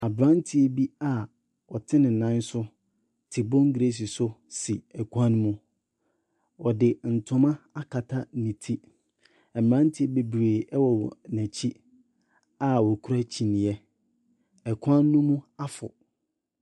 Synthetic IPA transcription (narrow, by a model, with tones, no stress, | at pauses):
a˨bɾã˦n˦tʰi˦ɛ˦bi˦a˨ | wɔ˨tʰɪ˦nɪ̃˨nã˦n˦sʊ˦ | tʰɪ˨bɔ̃˦ŋ˦ɡe˦s̬i˨sʊ˦si˨ɛ˨kʰã˦n˦mũ˦ | wɔ˨dɪ˨n̩˨tʰʊ̃˦mã˦a˦kʰa˨tʰa˦nĩ˨tʰi˦ | ɛ˨m˨ã˦n˦tʰi˦ɛ˦˨be˨bɾeː˨ɛ˦wɔ˨wɔ˨næ̃˨t͡ɕʰi˦ | a˨wɔ˨kʰu˦ɾa˦t͡ɕʰi˨nɪ̃˨ɛ˦ | ɛ˨kʰã˦nːũ˦mũ˦a˦fʊ̰˨